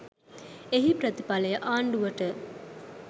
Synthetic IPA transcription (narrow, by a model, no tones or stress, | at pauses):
eɦipɾət̪ipaləjəʔaːɳɖuʋəʈə